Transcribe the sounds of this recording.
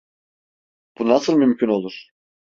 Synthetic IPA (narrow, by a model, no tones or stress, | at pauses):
b̥unasɯlˠmymcʰyno̞lˠuɾ̥